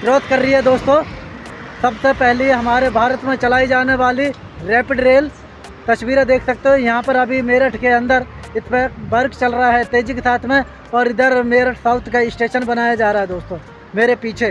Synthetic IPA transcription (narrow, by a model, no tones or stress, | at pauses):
pɾoːt̪ʰkɐɾːəɦiɦɛd̪oːst̪o | sɐbsepɛɦliɦɐmaːɾebʱaːɾət̪mẽt͡ʃɐlaːid͡ʒaːneʋaːli | ɾɛːpɪɖɾeːl | t̪ɐswiːɾẽd̪eːkʰsɐk̚t̪eɦɛ̃jɐɦãpɐɾɐbʱimeːɾəʈʰkeɐ̃nd̪əɾɪt̪ʰpebɐɾkt͡ʃɐlɾɐaɦɛt̪eːd͡ʒɪkesaːt̪ʰmẽ | ɔːɾɪd̪əɾmeːɾəʈʰsaːʊt̪ʰkaɪsʈeːʃənbɐnaːjad͡ʒaːɾaaɦɛd̪oːst̪oː | meːɾepiːt͡ʃʰe